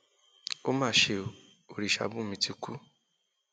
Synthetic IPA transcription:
o˦mãː˦˨ʃe˧ | o˨ɾi˨ʃa̰˧bũ˦mĩ˧tʰi˧ku˦

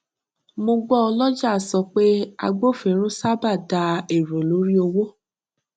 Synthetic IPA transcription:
mõ˧ɡ͡bɔ˦ɔ˧lɔ˦d͡ʒa˦˨sɔ˧˨k͡pe˦a̰˧ɡ͡bo˦˨fĩ˨˦ɾ̃ũ˦sa˦ba˦˨da˨˧˦e˨ɾo˨lo˨˦ɾi˦o˧wo˦

